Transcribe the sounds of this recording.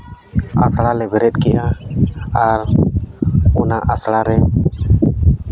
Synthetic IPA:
a̰sɽalɛbʱɛɾɛt̪̚ˀkɛjʔa | aɾ | ɔnaʔasɽaɾɛ

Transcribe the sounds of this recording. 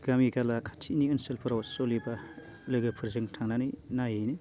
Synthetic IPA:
ɡamiɡalakʰḁtʰiniɯnselpʰɯɾawsɔliba | lɯjɡɯpʰɯɾzɯŋtʰaŋnanɯjnajɯjni

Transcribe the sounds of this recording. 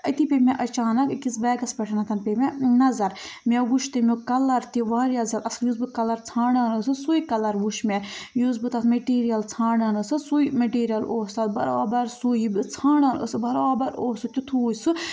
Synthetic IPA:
ɐt̪ipʲemʲeʔɐt͡ʃaːnɐkkisbɛːɡɐsbʲɛʈʰɐnɐt̪ʰɐnpʲemʲenɐzɐɾ | mʲeʋuʃʰt̪ɨmʲokɐlːɐɾt̪iʋaːɾijɐzɐlɐsljuzbɨkɐlɐɾt͡sʰaːɳaːnəsɨsujikɐlɐɾʋuʃmʲejuːzbɨt̪ɐsmeʈiːɾijɐlt͡sʰaːɳɐnɨsɨsujmɐʈiːɾijɐloːst̪aːt̪̚bɐ̰ɾa̰ːbɐɾsujibɨt͡sʰaːɳɐnə̰sɨbɐɾaːbɐɾoːsɨt̪ʲut̪ʰuːjsɨ

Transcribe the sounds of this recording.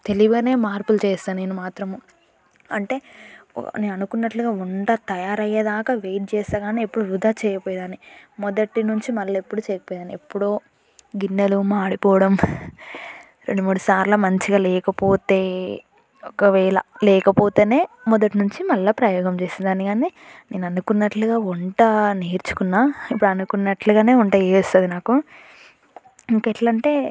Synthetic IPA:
t̪e̞liʋɐne̞ːmaːɾpult͡ʃɛːst̪aːnneːnumaːt̪ɾɐm | ɐɳʈe̞̰ː | neːnɐnukunːɐʈluɡaːuɳɖat̪ɐjaːɾɐjːɐd̪aːkɐʋeːjʈ̚t͡ʃɛːst̪aːɡaːniepːuɽuɾud̪aːt͡ʃɛːjɐpɔːjd̪aːnimɔd̪ɐʈinuɲt͡ʃimɐlːɐepːuɽut͡ʃɛːjɐpɔːjd̪aːniepːuɽoː | ɡinːɐlumaːɽipɔːʋɐɽɐm | ɾe̞ɳɖumuːɽusaːɾlɐmɐɲt͡ʃiɡaːlɛːkɐpoːt̪e̞ː | ɔkɐʋɛːlɐ̰lɛːkɐpoːt̪e̞ːne̞ːmɔd̪ɐʈinuɲt͡ʃimɐlːɐpɾɐjɔːɡɐmt͡ʃeːsind̪aːniɡaːnine̞ːnɐnukunːɐʈluɡaːuɳʈɐneːɾt͡ʃu̥kunːaːipːuɽuɐnukunːɐʈluɡaːne̞ːuɳʈaːjest̪aːd̪inaːku | iŋkeʈlɐɳʈe̞ː

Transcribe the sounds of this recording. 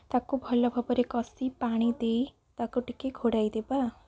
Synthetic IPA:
t̪akobʱʌlɔbʱʌbɔɾekɔsipaɽ̃id̪ei | t̪akoʈikeɡʱoɽajd̪eba

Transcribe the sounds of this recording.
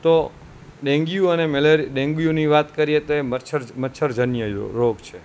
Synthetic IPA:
t̪o | ɗẽŋɡijũənemeleɾiɗẽŋɡijũniʋat̪kəɾiet̪oemət͡ʃʰəɾmət͡ʃʰəɾd͡ʒənjəɾoɡt͡ʃʰe

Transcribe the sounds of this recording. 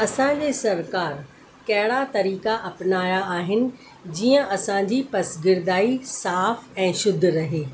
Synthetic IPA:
ɐsãd͡ʑesɐɾkaːɾ | kɛɦɽat̪ɐɾiːkaʔɐpnaːjaaːɦɪnɪ̆ | d͡ʑiːə̃ʔɐsãd͡ʑipɐsɡɪɾd̪aːisaːfɛ̃ːʃʊd̪ʱɾɐɦeː

